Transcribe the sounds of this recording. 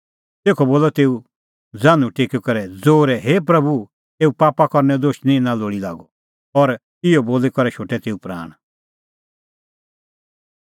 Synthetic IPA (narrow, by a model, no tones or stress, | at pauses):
t̪eːkʰɔboːlɔt̪eːu | d͡zãːnũʈeːkɔkɔɾɛd͡zoːɾɛɦeːp̬ɾɐbu | eːupaːpakɔɾnɛd̪oːʃnĩnãloːɽila̰ːɡɔ | ɔɾ | ɪjɔboːlekɔɾɛʃʰoːʈɛt̪eːupɾa̰ːɽ̃